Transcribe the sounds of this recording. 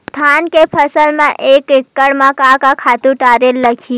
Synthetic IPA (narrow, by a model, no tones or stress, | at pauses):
t̪ʰankepʰəsəlmãʔekɪkːəɽmãkakakʰat̪ũʈaɾelːəkʰi